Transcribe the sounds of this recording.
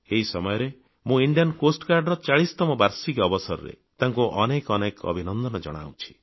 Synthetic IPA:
eɦisɔmɔjɔɾe | mũiɳɖijankosʈkaɾɖɾɔt͡ʃaɭist̪ɔmɔbaɾsikɔbɔsɔɾɔ̰ɾḛ | t̪aŋkuʔɔnekɔnekɔ̰bʱinɔnd̪ɔnɔd͡ʒɔ̰ɽ̃a̰wt͡ʃʰi̥

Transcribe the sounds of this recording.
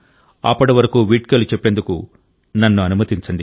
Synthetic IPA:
ɐ̰pːɐɽiʋɐɾɐkuːʋiʈ̚kɐlut͡ʃepːend̪ukṵ | nɐnːuɐnumɐt̪iɲt͡ʃɐɳɖi

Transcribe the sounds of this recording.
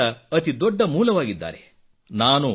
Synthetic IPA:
ɐɐt̪id̪ɔɖːɐmuːlɐʋaːɡid̪ːa̰ːɾḛ | naːnu

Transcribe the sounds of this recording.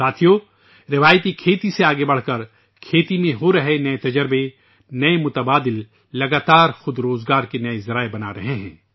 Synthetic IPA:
saːt̪ʰijo | ɾɪʋaːjt̪ikʰeːt̪iseaːɡebɐɽ̤kɐɾ | kʰeːt̪imẽɦoɾɐɦenɐet̪ɐd͡ʒəɾbe | nɐemʊt̪əbaːd̪ɪlː | ɐɡaːt̪aːɾxʊd̪ɾoːzɡaːɾkenɐezɐɾaːebɐnaɾɐɦeɦɛ̰̃ː

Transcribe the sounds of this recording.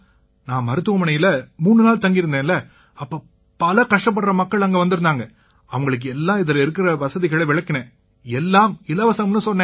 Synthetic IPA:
nãːmɐɾɯt̪ːɯʋɐmɐɳɐjɪlɐmuːnːɯnaːɭt̪ɐŋɡɪɾɯnd̪eːnlɐ | ɐpːoː | pɐlɐkɐʂʈɐp̬ːɐɽɾɐmɐkːɐɭɐŋɡeʋɐnd̪ɪɯɾɯnd̪aːŋɡɐ | ɐʋɐŋɡɐɭɯk̬ːɯɛlːãːɪðɐlɐɪɾɯk̬ːɪɾɐʋɐsɐðɪɣɐɭɐʋɪɭɐkːɪnẽː | ɛlːaːmɪlɐʋɐsɐɐmnɯsɔnːẽː

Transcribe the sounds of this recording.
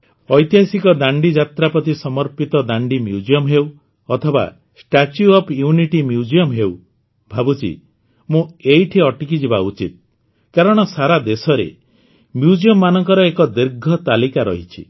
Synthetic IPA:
ɔjt̪iɦasikɔd̪aɳɖid͡ʒat̪ɾapɔt̪isɔmɔɾpit̪ɔd̪aɳɖimjud͡ʒiɔmɦew | ɔt̪ʰɔba̰ | sʈat͡ʃjuɔpʰjuniʈimjud͡ʒiɔmɦew | bʱabut͡ʃʰḭ | mũeiʈʰiɔʈikid͡ʒibaut͡ʃit̪̚ | kaɾɔɽ̃ɔsaɾad̪esɔɾḛ | mjud͡ʒiɔmːanɔŋkɔɾɔekɔd̪iɾɡʱɔt̪alikaɾɔ̰ɦit͡ʃʰḭ

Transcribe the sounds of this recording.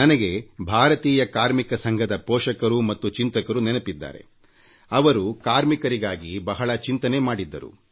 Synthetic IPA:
nɐnɐɡe̞bʱaːɾɐt̪iːjɐkaːɾmikɐsɐŋɡʱɐd̪ɐpɔːʂɐkɐɾumɐt̪ːut͡ʃint̪ɐkɐɾunɛnɐpid̪ːa̰ːɾḛ | ɐʋɐɾukaːɾmikɐɾiɡaːɡibɐɦɐɭɐt͡ʃint̪ɐne̞maːɽid̪ːɐ̰ɾṵ

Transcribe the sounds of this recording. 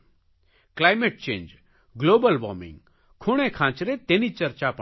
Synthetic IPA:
klaːjmeʈ̚t͡ʃḛ̃ːnd͡ʒ | ɡloːbəlbɔ̰ːmɪ̰̃ŋɡ | kʰʊɽ̃ẽkʰãːt͡ʃɾet̪enit͡ʃɐɾt͡ʃap

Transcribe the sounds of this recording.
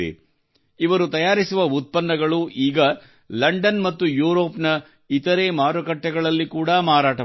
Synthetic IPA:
ḛ | iʋɐɾut̪ɐjaːɾisuʋɐut̪̚pɐnːɐɡɐɭuʔiːɡɐ | lɐɳɖɐnmɐt̪ːujuːɾo̞ːpnɐ | it̪ɐɾe̞ːmaːɾɐkɐʈːɐɡɐɭɐlːikuːɽamaːɾaːʈɐ

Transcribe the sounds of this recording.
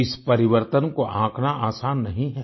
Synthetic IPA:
ɪspɐɾɪʋəɾt̪ənkoʔãːkʰnaʔaːsaːnːɐɦĩɦɛː

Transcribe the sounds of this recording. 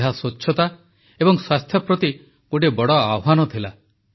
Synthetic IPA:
ɦasot͡ʃːʃʰɔt̪a | ebɔŋswast̪ʰjɔpɾɔt̪i | kuɖebɔɽɔawɦanɔt̪ʰila

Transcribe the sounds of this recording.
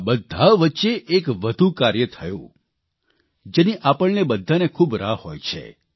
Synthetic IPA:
bəd̪ʱːaʋətːʃeʔekʋəd̪ʱukaɾjət̪ʰəjṵ̃ | d͡ʒeniʔapəɭnebəd̪ʱːanekʰubɾahojt͡ʃʰḛ

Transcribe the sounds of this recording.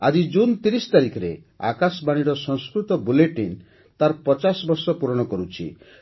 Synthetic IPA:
ad͡ʒid͡ʒunt̪iɾist̪aɾikʰɔɾe | a̰kasɔbaɽ̃iɾɔsɔ̃ŋskɾut̪ɔbuleʈin | t̪aɾpɔt͡ʃasbɔɾsɔpuɾɔɽ̃ɔkɔɾut͡ʃʰḭ

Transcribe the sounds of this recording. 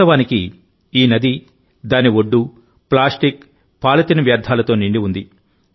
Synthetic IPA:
ɐʋaːniki | iːnɐd̪i | d̪aːniʋoɖːu | plaːsʈik | paːlɐt̪inɐʋjaːɾd̪ʱaːlɐt̪o̞ːniɳɖiund̪i

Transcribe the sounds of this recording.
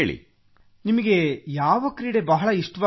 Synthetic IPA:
ɭḭ | nimɐɡe̞jaːʋɐkɾiːɽebɐɦɐɭɐiʂʈɐʋa

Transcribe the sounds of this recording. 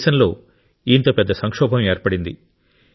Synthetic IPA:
ʃɐnlo̞ː | int̪ɐpɛd̪ːɐsɐŋkʂɔːbʱɐmeːɾpɐɽind̪i

